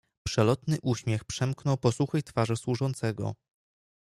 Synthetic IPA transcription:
pʂɛlɔt̪nɘʔuɕmʲjɛxpʂɛmknɔwpɔsuxɘjt̪faʐɘswuʐɔnt̪sɛɡɔ̰

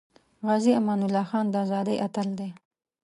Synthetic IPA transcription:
ɣɑziamɑnʊlːɑxɑnd̪əazɑd̪əjʔat̪əld̪e

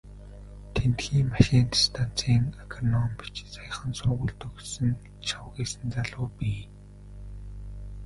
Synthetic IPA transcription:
t̪ʰent̪xiːŋmaʃiːnt̪ʰst̪ʰan̥t͡sʰiːŋakʰanɔmpi̥t͡ɕsajə̆χə̆nsʊɣʊɮt̪ɵ̆ɣsɘ̆n | t͡ɕʰawɣiːsɘ̆nt͡saɮʊːpiː

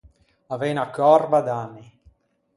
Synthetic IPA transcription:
avenakːɔrbad̪anːi

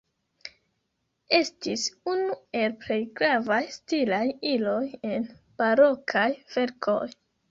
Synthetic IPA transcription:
e̞stisunue̞lple̞jɡɾavajstilajilo̞je̞n | b̥aɾo̞kʰajv̥e̞ɾkʰo̞̰j

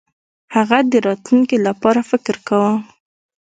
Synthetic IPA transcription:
haɣad̪əɾɑt̪luŋkilapɑɾafɪkɾkawə

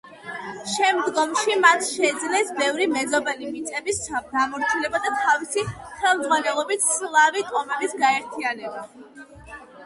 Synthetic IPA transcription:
ʃɛmd̪ɡɔmʃimat̪ʰʃɛːd̪zlɛsbɛvɾimɛzɔbɛlimit̪sʼɛbisd̪amɔɾt̪ʰɛlɛbad̪at̪ʰavisiχɛlˠmd̪zʁwanɛlˠɔbit̪ʰslˠavit̪ʼɔmɛbisɡaɛɾt̪ʰianɛba

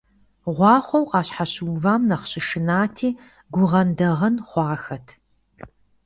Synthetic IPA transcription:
ʁʷɑːχʷɔwqɑːɕħaɕwvaːmnɐχɕɪʂɨnaːtʰiː | ɡʷʊʁɐndɐʁɐnχʷɑːxɐtʰ

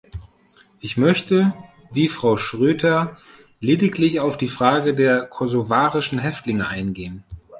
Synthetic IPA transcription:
ʔɪçmœçtə | viːfʁ̥aʊʃʁ̥øːdɐ | leːdɪklɪçaʊfd̥iːfʁ̥aːɡədeːɐkʰɔzovaːʁɪʃn̩ɦɛftlɪŋəʔaɪnɡeːən

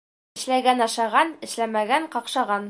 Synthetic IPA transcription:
ɘ̆ʃlæɡænɑʃɑʁɑnɘ̆ʃlæmæɡæɴqɒqʃɑʁɑn

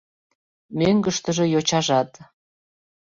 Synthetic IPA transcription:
møŋɡəʃt̪əʒĕjot͡ɕɑʒɑt̪

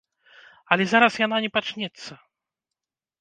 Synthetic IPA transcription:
ɐlʲɛzaɾɐsjananʲɛpat͡ʂnʲɛt̪sːɐ

